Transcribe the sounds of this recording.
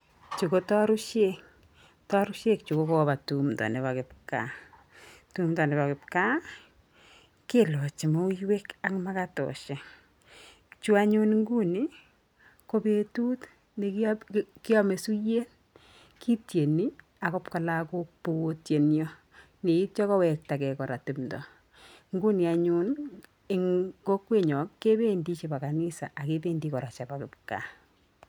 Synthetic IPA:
t͡ʃu˨ko˦tɔ˦ɾu˦ʃek | tɔ˦ɾʊ˦ʃe˦k̚t͡ʃu˨ko˦kɔba˨tu˨mdɔ̰˨ne˨βakɪ˨p̚ka̰ | tu˦mdɔ˨ne˨ba˨kɪ˨p̚ka˦ | ke˦lɔ˨t͡ʃi˨mo˦ujwe˦ka˨kma˦katɔ̰˨ʃa˨ | t͡ʃu˦a˦ɲo˦nŋɡu˦ni˦ | ko˦be˨tu˦t | ne˨kkɪ˦ɔ˦me˨su˦je˦n | ki˦tje˨ni˦ | a˨kɔ˦pka˨la˦ko˦po˦tje˨njɔ˦ | ne˨i˦t̚t͡ʃɔ˦kɔ˦wɛk̚ta˨kɛ˨kɔɾa˨tɪ˨mdɔ̰˨ | ŋɡu˦ni˨a˨ɲʊ˦n | e˦ŋko˦kwe˦ɲɔ˨kːe˦be˦ndi˦t͡ʃe˨pa˨ka˨nɪ˦sa̰˨ʔakepe˦ndikɔ˨ɾa˨t͡ʃa˨pa˨kɪp̚ka̰˨

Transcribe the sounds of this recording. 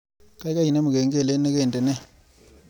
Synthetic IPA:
ka˦i˦ka˦i˨ne˦mu˨ke˨ŋɡe˦˨le˦ne˦keː˦˨nde˨nɛ˦

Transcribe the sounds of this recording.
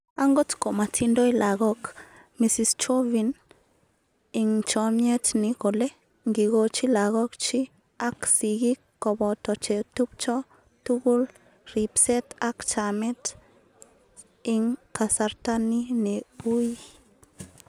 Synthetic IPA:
a˦ŋɡo˦tko˨ma˨tʰi˧ndo˦jla˨ɣɔ˦k | mi˨si˨st͡ʃo˦vi˨n | ɪ˨ŋt͡ʃɔ˨mɲɛ˦tni˨ko˨le˦ | ŋɡi˨ɡo˧t͡ʃi˦la˨ɣɔ˦kt͡ʃi˦ | a˦ksi˨ɡi˦kːɔ˨bɔ˨t̪ɔ˨t͡ʃe˨tu˦p̚t͡ʃɔ˦ | tu˦ɡu˦l | ɾi˨psɛ˦t̪a˦kt͡ʃa˨mɛ˦t | i˧ŋka˨sa˧ɾta˦ni˦ne˨u˦j

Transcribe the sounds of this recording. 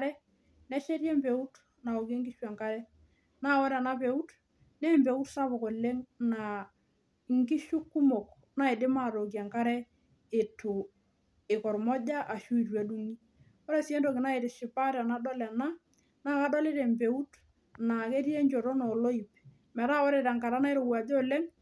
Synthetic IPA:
ɾɛ˦ | nɛ˦ʃe˦ɾjɛ˦mpe˨u˦t | na˨ɔ˨ke˦ŋɡɪ˦ʃwa˨ŋka˦ɾɛ˦ | na˦wɔ˦ɾɛ˨a˨na˦pe˨u˦t | nɛ˦mbe˨u˦tsa˦pɔ˨kɔ˨le˦ŋna˨ | ŋkɪ˦ʃʊ˦kːʊ˦mɔ˨k | na˦e˨dɪ˦ma˦˨ɾo˨k̬ja˨ŋka˦ɾɛ˦ | ɪ˨tʊ˨ | ɪ˨kɔ˨ɾmɔ˦d͡ʒa˦ʔa˨ʃu˦i˨ɾwa˨du˦ŋi˦ | ɔ˦ɾɛ˦˨sɛ˦ndo˨kɪ˨na˦e˨ɾɪ˨ʃɪ˨pa˦ɾa˨na˦dɔ˦lɛ˨na˦ | na˦ka˦dɔ˦le˦ɾɛ˨mpe˨u˦t | na˨ke˦ɾi˦e˦ɲt͡ʃɔ˨ɾɔ˦nɔ˨lo˦i˨p | mɛ˨ɾa˦wɔ˦ɾɛ˨ɾa˨ŋka˨ɾa˦na˦e˦ɾo˨wa˨d͡ʒɔ˦le˦ŋ

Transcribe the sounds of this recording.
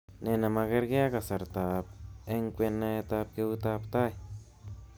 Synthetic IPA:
ne˧na˧ma˧ɡe˦ɾɡe˦a˦ka˨sa˨ɾt̪a˨p̚e˦ŋkʷe˧na˧e˧t̪a˧p̚ke˧u˦t̪a˧pt̪a˦j

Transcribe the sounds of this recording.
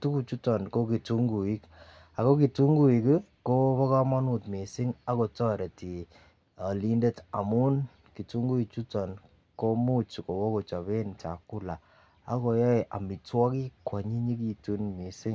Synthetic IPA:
tu˦ku˨t͡ʃu˦tɔ˨nko˦ki˨tu˦ŋɡu˨i˦k | a˨ko˦ki˨tu˦ŋɡu˦i˨ki˦ko˦pɔ˦kɔ˦mɔ˦nu˦˨tmi˨sɪ˦ŋa˦ko˨˧tɔ˦ɾe˨ti˨ | a˨li˦nde˦ta̰˨mu˦n | ki˨tu˦ŋɡu˦i˨t͡ʃu˦tɔ˨n | ko˦mu˦t͡ʃko˨wɔ˦ko˨t͡ʃɔ˨βe˦nt͡ʃa̰˨ku˦la˨ | a̰˦ko˧jɔ˦e˨ʔa̰˨mi˨twɔ˦ki˦kwa˨ɲi˦ɲi˦ki˦tu˦nmi˨sɪ˦ŋ

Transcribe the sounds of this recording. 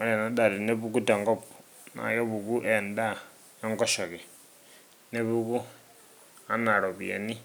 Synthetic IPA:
a˦ɾɛ˨na˦ɗa˨ɾi˨ne˦βuku˦tɛ˨ŋɡɔ˦p | na̰˨jɔ˦βu˨ku˦ʔɛ˨nda˦ | ɔ˦ŋɡɔ˦ʃɔ˨kɛ˨ | ne˦βu˦ku˦ | a˦na˨ɾɔ˨βja̰˨ni˦

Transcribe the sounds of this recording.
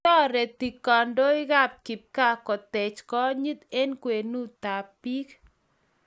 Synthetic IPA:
ɔ˦ɾɛ˨t̪i˨kɔ˨ndo˦ɪ˦ɣa˦p̚kɪ˨p̚ka˦kɔ˨tɛ˨t͡ʃkɔ˦ɲi˦t̪e˦nkwe˨nu˦t̪a˨pi˦k

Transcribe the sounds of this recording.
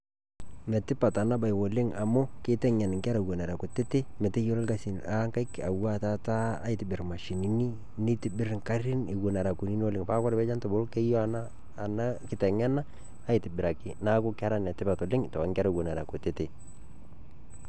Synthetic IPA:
mɛ˨tɪ˦pa˨ta˨na˦ba˨jwo˨lɪ˦ŋa˨mʊ˦kɪ˦tɛ˦ŋa˨n˨ŋka˦ɾa˨wo˨na˨ɾa˨kʊ˨te˦te˦mɛ˨te˦jo˦lɔ˦lka˨sɪ˨na˦ŋka˦ɪka̰˨wa˦ta˦taː˦jtɪ˨bɪ˨ɾma˨ʃi˨ni˨ni˦ | nɪ˦tɪ˨bɪ˦ɾŋka˦ɾɪ˦nɪ˨ɡo˨na˨ɾa˨ku˨ni˦ni˦o˦lɪ˨ŋpa˦kɔ˦ɾbɛ˦d͡ʒa˦ntɔ˨bɔ˦lkɛ˦jɔ˦a˨naː˦˨ | na˦kɪ˦tɛ˨ŋa˦naː˦ | jtɪ˨bɪ˨ɾa˨kɪ˨na˦kʊ˦kɪ˦a˦ɾa˦nɛ˨tɪ˦pa˨tɔ˨lɪ˦ŋtɔ˨a˨˦ŋka˦ɾa˨ɡo˨na˨ɾa˨kʊ˨tɪ˦tɪ˨

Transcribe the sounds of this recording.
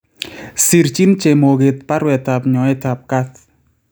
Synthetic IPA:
si˨ɾt͡ʃi˦nt͡ʃe˨mo˨ɣe˨t̪̚pa˦ɾwɛ˨t̪a˨p̚ɲɔ˨ɛ˦ta˨p̚ka˦t̪̚

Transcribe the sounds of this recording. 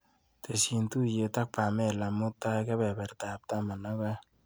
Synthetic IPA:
t̪e˨si˨nt̪u˦je˨t̪a˦k̚pa˨me˦la˨mʊ˦t̪ːa˦ka˦βɛ˨bɛ˨rt̪a˨p̚t̪a˦ma˨na˦ka˦

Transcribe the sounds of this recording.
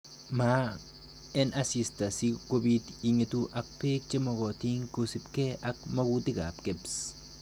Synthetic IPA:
ma˦ | e˦nʔa˦si˧st̪a˨si˧kʷo˦˧bi˦t̪i˧ŋe˧t̪u˦ʔa˧k̚pe˦k̚t͡ʃe˦mo˧ɣo˨t̪i˦ŋku˧si˧pke˦a˦k̚ma˦ɡu˦t̪i˦ɡa̰˨pke˦ps

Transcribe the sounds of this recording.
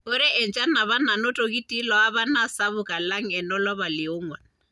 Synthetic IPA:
ʊ˦ɾɛ˦ʔɛ˨nt͡ʃʼa˦na˨βa˦na˨nʊ˦tʼo˨kʼi˦tʼi˦lɔ˨a˦βa˦na˦sa˦βʊ˨kʼa˨la˦ŋ̩ɛ˨nɔ˦lɔ˦βa˨lɪ˨ʊ˦ŋwa˨n

